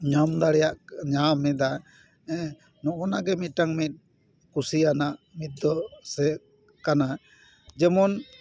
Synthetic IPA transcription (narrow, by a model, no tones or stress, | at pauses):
ɲamd̪aɽɛjaʔɲamɛd̪a | ɛ | nɔʔɔnaɡɛmit̪̚ʈaŋmit̪̚ˀ | kusianaʔmit̪̚d̪ɔsɛ | kana | d͡ʒɛmɔn